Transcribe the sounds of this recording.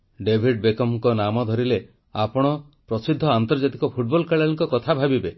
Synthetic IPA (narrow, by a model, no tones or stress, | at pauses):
ɖebʱiɖ̚bekɔmŋkɔnamɔd̪ʱɔɾile | apɔɽ̃ɔ | pɾɔsid̪ʱːɔant̪ɔɾd͡ʒat̪ikɔpʰuʈ̚bɔlkaɭaɭiŋkɔkɔt̪ʰabʱabibe